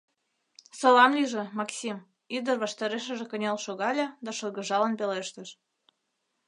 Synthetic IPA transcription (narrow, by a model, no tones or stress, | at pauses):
solɑmlʲiʒĕmɑksʲim | id̪ə̆rβɑʃt̪ɑɾeʃ̬ə̆ʒĕkə̆nʲelʃoɣɑlʲɑd̪ɑʃɤlɣə̆ʒɑlənpeleʃt̪ə̆ʃ